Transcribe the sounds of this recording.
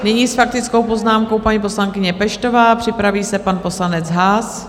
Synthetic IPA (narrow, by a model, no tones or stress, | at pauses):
nɪɲiːsfak̚t̪ɪt͡skowpo̞znaːmko̞wpaɲiːpo̞slaŋkɪɲɛpɛʃt̪o̞vaːpr̝̥ɪpɾaviːsɛpanpo̞slanɛt͡sɦas